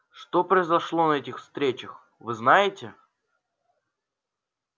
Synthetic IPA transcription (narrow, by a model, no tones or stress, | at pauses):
ʂt̪opɾəɪzɐʂlˠo̞nɐɛtʲɪxfst̪ɾʲet͡ɕəx | vɨznajɪtʲɪ